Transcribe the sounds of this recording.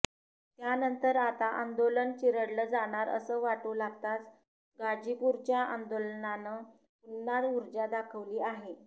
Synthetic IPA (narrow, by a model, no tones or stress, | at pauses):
t̪janənt̪əɾat̪aʔand̪olənt͡ɕiɾəɽləd͡zaɽ̃aɾə̰səːʋaʈolaɡt̪at͡s | ɡad͡ʑipuɾt͡ɕjaʔand̪olənanə | punːaɾuɾd͡ʑad̪akʰəʋliːaɦe